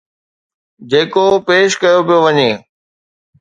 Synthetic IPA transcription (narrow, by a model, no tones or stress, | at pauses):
d͡ʑeːkopeːʃkɐjopijoʋɐɲeː